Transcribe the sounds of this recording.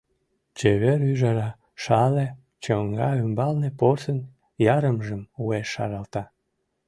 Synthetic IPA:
t͡ɕeβeɾyʒɑɾɑ | ʃɑle | t͡ɕəŋɡɑymbɑlneporsən | jɑɾəmʒəmueʃːɑ̰ɾɑlt̪ɑ

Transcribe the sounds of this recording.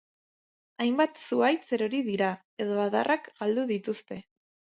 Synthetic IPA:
ajmbat̪suajt͡se̞ɾo̞ɾiðiɾa | e̞ðo̞aða̰rʔakɡ̥ald̪uðit̪ust̪e̞

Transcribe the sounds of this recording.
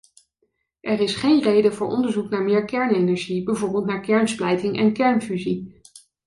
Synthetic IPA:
ʔɛrɪsχejnrejdəvʊːɹɔ̰ndəɹzuknaːɹmɪːɹkɛɹnenɛɹʒibəvɔɹbɪlˠtnaːɹkɛɹnsplɛjtɪŋʔɛnkɛɹnfyzi

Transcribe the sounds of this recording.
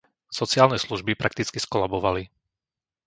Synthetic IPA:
sɔt͡sɪaːlnɛsluʒbipɾʔak̚t̪it͡skiskɔlabɔʋali

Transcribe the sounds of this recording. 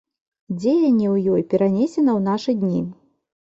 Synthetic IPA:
d͡zʲejɐnʲːɛwjɔjpʲɛɾanʲesʲɛnɐwn̪aʂɨd̪ʲnʲi

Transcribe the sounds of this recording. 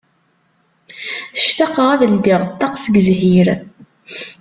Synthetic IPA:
ʃt̪ɑqəʁæðəld̪iʁt̪ːɑqsəɡəzɦiɾ

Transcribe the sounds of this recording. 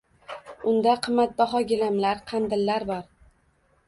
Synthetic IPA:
ʊnd̪aqʰɨmːat̪̚bɒɦɒɡʲɪlamlaɾqʰɑnd̪ɪlːaɾbɒɾ

